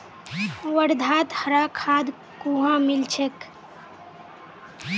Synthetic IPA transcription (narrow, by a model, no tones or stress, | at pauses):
ʋəɽd̪ʱaːt̪həɾakʰaːd̪ | kuɦamilt͡ʃʰek